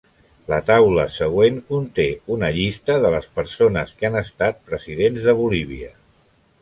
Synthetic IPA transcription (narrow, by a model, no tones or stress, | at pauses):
lət̪awləsəɣ̞weŋkunt̪eunəʎist̪əðələspəɾsonəskanəst̪at̪̚pɾəziðenzðəβ̞uliβ̞iə